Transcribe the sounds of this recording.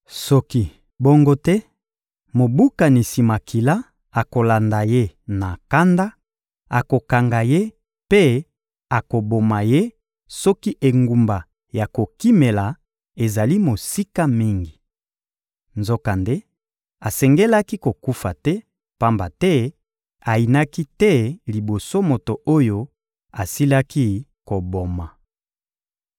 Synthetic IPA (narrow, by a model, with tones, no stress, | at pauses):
sɔ˦ki˦ | bo˦ŋɡo˦tɛ˦ | mo˨bu˦ka˨ni˨si˨ma˨ki˨la˦ | a˨ko˨la˨nda˨je˦na˨ka˦nda˦ | a˨ko˨ka˨ŋɡa˨je˦ | pe˦ | a˨ko˨bo˨ma˨je˦ | sɔ˦ki˦ʔe˨ŋɡu˨mba˨ | ja˨ko˨ki˦me˨la˨ | e˨za˨li˦mo˨si˦ka˦mi˦ŋɡi˨ | nzo˦ka˨nde˦ | a˨sɛ˨ŋɡe˦la˦ki˦ko˨ku˦fa˨tɛ˦ | pa˦mba˨tɛ˦ | a˨i˨na˦ki˦tɛ˦li˨bo˨so˦mo˨to˨ʔo˦jo˦ | a˨si˦la˦ki˦ko˨bo˨ma˨